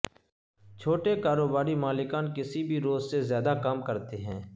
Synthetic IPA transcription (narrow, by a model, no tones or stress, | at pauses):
t͡ʃʰoːʈekaːɾoːbaːɾimaːlɪkaːnkɪsibʱiɾoːzsezjaːd̪akamkəɾt̪eɦɛ̰̃ː